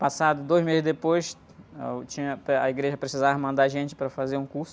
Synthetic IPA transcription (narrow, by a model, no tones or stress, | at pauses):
pasad̪ʊd̪ojzmezɪzd̪epojs | ɛt͡ʃĩɲɐpɐiɡɾeʒɐpɾesizavɐmɐ̃nd̪aʒẽt͡ʃɪ̥pɾɐfazeɾũkuɾsʊ